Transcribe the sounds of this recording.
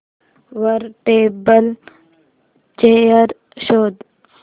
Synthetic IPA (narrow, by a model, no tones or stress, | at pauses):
ʋɐɾʈeːbəl | t͡ʃeəɾ | ʃoːd̪